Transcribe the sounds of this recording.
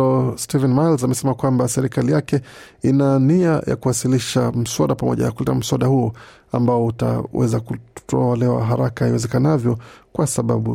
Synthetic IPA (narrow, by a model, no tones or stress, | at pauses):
ɔstivɛnmalzamɛsɛmakwambasɛɾikalijakɛ | inaniajʔa̰kuwasiliʃam̩swaɗapamɔ̰ʄa̰nakulɛtam̩swaɗahuɔ | ambaɔuta̰wɛ̰zakutɔlɛwa̰ɦaɾakaiwɛzɛkanavjɔkwasaɓa̰ɓṵ